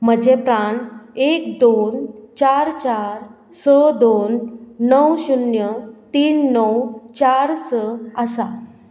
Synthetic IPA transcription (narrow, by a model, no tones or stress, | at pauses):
məd͡ʑepɾaɳekd̪ont͡ɕaɾt͡ɕaɾ | səd̪onːəwɕunjət̪iːnːəwt͡ɕaɾsəəsa